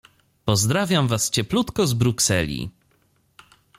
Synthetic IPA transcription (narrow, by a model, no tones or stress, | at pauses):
pɔzd̪ɾavʲjamvast͡ɕɛplut̪kɔzbɾuksɛ̰lʲḭ